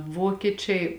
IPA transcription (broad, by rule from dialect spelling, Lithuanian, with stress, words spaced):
ˈʋoːkʲiɛˌt͡ʃʲɛɪ